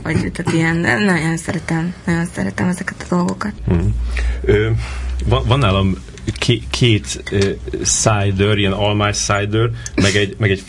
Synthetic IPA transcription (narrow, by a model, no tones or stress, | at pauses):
vɒɟt̪at̪ijɛnnːɒjonsɛɾɛt̪ɛmnɒɟo̞nsɛɾɛt̪ɛmɛzɛkɛ̥t̪ɒ̥d̪o̞lɡo̞kɒt̪̩̚ɦ̩ | øvɒnvɒnːaːlɒm | kʰeːkʰeːt̪ː | sajd̪øɾijɛnɒlmaːjsaːjd̪ørmɛɡɛɟmɛɡɛc